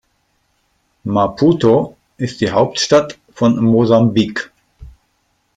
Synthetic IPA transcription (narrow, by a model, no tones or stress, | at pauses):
mapʰuto | ʔɪstd̥iːɦaʊp̚tʃtat | fɔnmozambik